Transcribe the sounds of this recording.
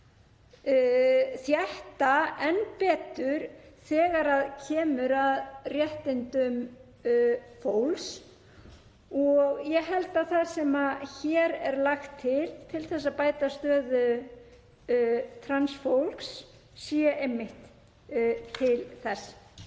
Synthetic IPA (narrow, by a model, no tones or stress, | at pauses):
θjaht̪aɛnpɛːt̪ʏɾ̥θɛːɣaɾaðcʰɛːmʏɾaðrjɛht̪ɪnt̪ʏm | fowls | ɔɣjɛɣɦɛlt̪aðθaðsɛmaçɛɾɛɾlaxt̪ʰːɪlt̪ʰɪlθɛsːapaːjt̪ast̪œːðʏ | t̪ʰɾansfowlksː | iːjaʔejmːɪht̪ | t̪ʰɪlθɛsː